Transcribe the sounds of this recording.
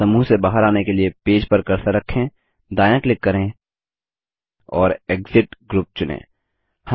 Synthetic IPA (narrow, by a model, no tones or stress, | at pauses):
ɐmuːɦsebaːɦəɾaːnekeliepeːd͡ʒpɐɾkɐɾsaɾɐkʰːẽː | d̪aːjə̃klɪkːɐɾẽ | ɔːɾeːkzɪʈɡɾuːp̚t͡ʃʊnḛ̃ː | hɐ